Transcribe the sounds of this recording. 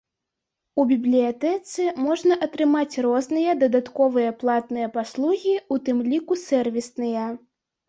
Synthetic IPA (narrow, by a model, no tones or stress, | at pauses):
ubʲiblʲijat̪ɛt̪sɨmɔʐnɐʔɐt̪ɾɨmat͡sʲrɔznɨjɐd̪ɐd̪at̪kɔvɨjɐplˠat̪nɨjɐpaslˠuɣʲiut̪ɨmlʲikusʲɛrvʲisnɨjɐ